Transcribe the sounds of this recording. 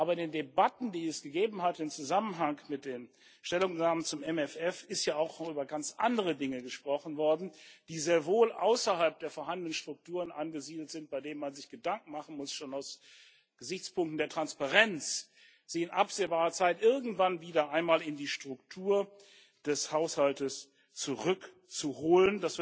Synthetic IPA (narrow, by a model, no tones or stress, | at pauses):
ʔaːbɐɪndeːndebatn̩diːɛsɡ̥əɡeːbm̩hatɪmt͡suzamənɦaŋkmɪt̚d̥eːn | ʃtɛlʊŋnaːmənt͡sʊmɛmɛfɛfɪstjaːaʊxʔyːbɐɡant͡sʔa̰ndəʁədɪŋəɡəʃpʁ̥ɔχn̩vɔɐdn̩d̥iːzeːɐvoːlʔa̰ʊsɐhalp̚d̥eːɐfoɐɦandənənʃtʁ̥ʊk̚tʰuːʁənʔanɡəziːdl̩tz̥ɪnt̚b̥aɪdeːnənmanzɪçɡ̥ədaŋk̚ŋ̩maχn̩mʊsʃoːnaʊs | ɡ̥əzɪçt͡spʊŋk̚tn̩deːɐtʁ̥anspaʁɛnt͡s | z̥ɪçɪnʔapz̥eːbaːʁɐt͡saɪtʔɪɐɡŋ̩tv̥anviːdɐʔaɪnmaːlɪndiːʃtʁ̥ʊktʰuːɐ | d̥ɛshaʊshaltəs | t͡suʁʏk | t͡suhoːləndasv̥